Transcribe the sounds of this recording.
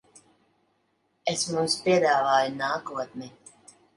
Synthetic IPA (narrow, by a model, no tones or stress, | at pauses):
esmumspiɛd̪aːvaːjunaːkuɔt̪ni